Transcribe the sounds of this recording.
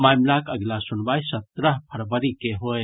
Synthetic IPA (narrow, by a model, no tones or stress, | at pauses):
majmlakəɡlasunbajsət̪ɾəɦpʰəɾbəɾikeɦoe